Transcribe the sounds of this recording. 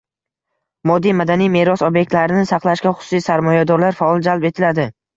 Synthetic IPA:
mɒd̪ːijmad̪anijme̞ɾɒsobjek̚ʲt̪laɾɪnɪsɑqlˠaʃkʲaχʊ̥sʊ̥sijsaɾmɒjad̪ɒɾlaɾfaɒlˠd͡ʒalpe̞t̪ʰɪlad̪ɪ

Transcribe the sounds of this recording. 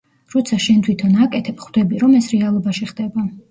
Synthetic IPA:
ɾɔt̪sʰaʃɛnt̪ʰwit̪ʰɔnakʼɛt̪ʰɛpχwd̪ɛbiɾɔmɛsɾɛalˠɔbaʃiχd̪ɛba

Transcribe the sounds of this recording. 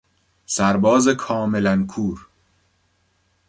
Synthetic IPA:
sæɾbɒːzekʰɒːme̞lænkʰuːɾ

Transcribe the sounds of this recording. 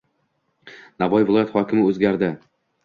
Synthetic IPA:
navɒjvɪlˠɒjat̪hɒkʲʰɪmɪɵzɡʲaɾd̪ɪ

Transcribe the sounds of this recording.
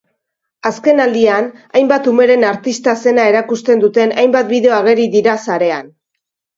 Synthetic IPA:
aske̞nald̪ianajmbat̪ume̞ɾe̞naɾt̪ist̪ase̞nae̞ɾakust̪e̞nd̪ut̪e̞najmbat̪biðe̞oaɣ̞e̞ɾiðiɾasaɾe̞an

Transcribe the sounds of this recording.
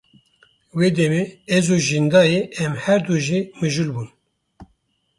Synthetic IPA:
weːd̪ɛmeɛzuʒind̪ɑːjeɛmhɛɾd̪uʒimɨʒulbun

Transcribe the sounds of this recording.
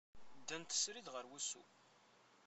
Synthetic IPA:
d̪ːənt̪ə̥sɾiðʁəɾwusṵ

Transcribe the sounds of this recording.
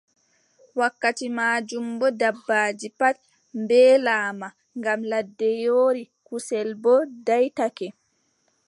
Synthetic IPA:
wakːatimaːd͡ʒumbɔdabːaːd͡ʒipat̚ | mbɛːlaːma | ŋɡamladːɛjoːɾi | kusɛlbɔdajtakɛ

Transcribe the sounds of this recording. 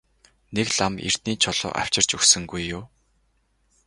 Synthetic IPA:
nekɮamḭr̥t̪niːt͡ɕʰɔɮʊ̰ːʔa̰w̥t͡ɕɪ̆r̥t͡ɕɵxsɵ̆ŋɡujːʊː

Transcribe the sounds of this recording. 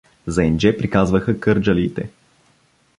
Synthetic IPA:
zɐɛnd͡ʒɛpɾikazvəxəkɤɾd͡ʒəliːt̪ɛ

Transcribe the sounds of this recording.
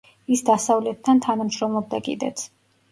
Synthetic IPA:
isd̪asavlɛt̪̚ʰːant̪ʰanamʃɾɔmlˠɔb̚d̪akʼḭd̪ɛ̰t̪sʰ

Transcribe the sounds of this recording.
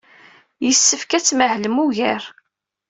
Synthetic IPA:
jəsːəfkæt͡sːməhləmuʝæɾ

